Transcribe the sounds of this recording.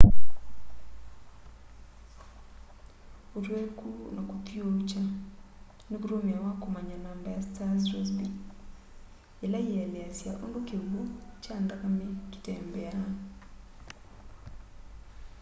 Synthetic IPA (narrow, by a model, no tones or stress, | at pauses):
oɾwekunakut̪jot͡ʃa | nekuɾomiawakomaɲanaːmbajastazɾɔzbi | elajialɛasja̰ʔondokeβut͡ʃandaɣameki̥tɛːmbɛa